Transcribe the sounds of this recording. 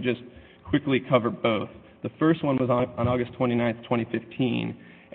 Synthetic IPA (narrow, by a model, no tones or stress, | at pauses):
d͡ʒʌs | kʰw̥ɪklikʰʌvə˞d̚boʊθ | ðəfɜ˞st̚wʌ̃nwʌzn̩ɔɡɨstʰw̥ɛ̃ɾ̃inãɪ̃nθtʰɛ̃ɾ̃ifɪftʰḭ̃n